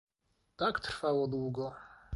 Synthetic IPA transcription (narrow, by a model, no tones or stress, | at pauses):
takʰtʰrfawɔd̪wɡo